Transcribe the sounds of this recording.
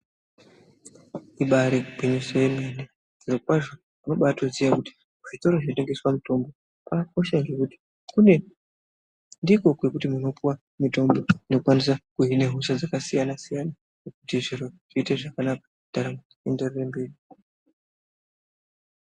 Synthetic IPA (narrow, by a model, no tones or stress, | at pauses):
iɓaɾeupeɲoseemene | nʐiɾo̞k̚waʐo | muno̞ɓatoziʋakuti̥ | uʐito̞ɾoʐinote̞ŋɡe̞swamuto̞mbo̞ | pako̞ʃaŋɡe̞kuti̥ | kune̞ | ndiko̞kwe̞kutimuno̞puwa | mito̞mbo̞inokukwanisakuɦineɦusad͡zakasijanasijana | nekutiʐiroʐ̥iːteʐakanakḁ | d̥aɾam | endererembeːri